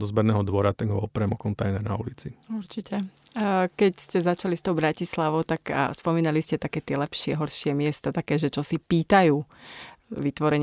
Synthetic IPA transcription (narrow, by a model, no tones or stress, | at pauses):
d̪ɔzbɛɾnɛːɦɔd̪ʋɔɾat̪aɡɦɔɔpɾɛmɔkɔnt̪ajnɛɾnaṵlit͡siuɾt͡ʃicɛ | kɛcscɛzat͡ʃalist̪ɔʊbɾacislaʋɔʊt̪akspɔmiːnaliscɛt̪akɛːt̪ɪɛlɛpʃɪɛɦɔɾʃɪɛmɪɛst̪at̪akɛːʒɛt͡ʃɔsipiːt̪ajuː | ʋit̪ʋɔɾɛɲ